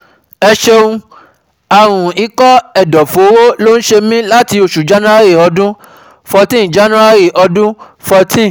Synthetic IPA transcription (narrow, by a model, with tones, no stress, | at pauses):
ɛ˧ʃe˧ũ˧ | a˨w̃ũ˨i˨˦kɔ˦ɛ˨dɔ˨fo˨˦wo˦lo˦ñ̩˦ʃe˧mĩ˦la˦ti˧o˨ʃu˨d͡ʒa˨˦nã˦a˦ɾi˦˨ɔ˧dũ˦ | fɔ˧tĩ˦˨d͡ʒa˨˦nã˦a˦ɾi˦˨ʔɔ˧dũ˦ | fɔ˧tʰĩ˦˨